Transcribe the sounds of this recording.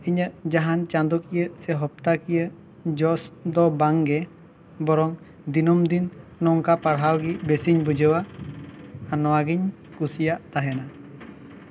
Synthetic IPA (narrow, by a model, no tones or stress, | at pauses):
iɲəʔd͡ʒaɦant͡ʃand̪ɔkijəʔsɛɦɔp̚t̪akijə | d͡ʒɔsd̪ɔbaŋɡɛ | bɔɾɔŋ | d̪inɔmd̪inːɔŋkapaɽɦawɡiʔbɛsiɲbud͡ʒəwaː | nɔwaɡiɲ | kusijaʔt̪aɦɛna